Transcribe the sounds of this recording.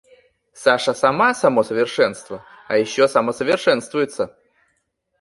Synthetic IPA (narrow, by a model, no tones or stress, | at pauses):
saʂəsɐmasɐmosəvʲɪrʂɛnst̪və | ɐjɪɕːosɐməsəvʲɪrʂɛnst̪vʊjɪt̪sːə